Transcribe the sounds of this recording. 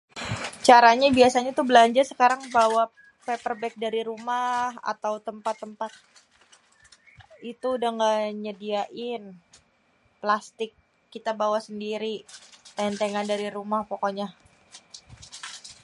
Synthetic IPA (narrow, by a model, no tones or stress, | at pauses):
t͡ʃaɾaɲabiasaɲat̪ubəlaɲd͡ʒarsəkaɾaŋbawa | pɛpərbɛk̚daɾiɾumaha̰t̪awt̪əmpat̪ːəmpat̪̚ | it̪uːdaŋɡaɲədiaʔɪn | plast̪ɪkː | it̪abawasəndiɾit̪ɛnt̪eŋandaɾiɾumahpokoɲa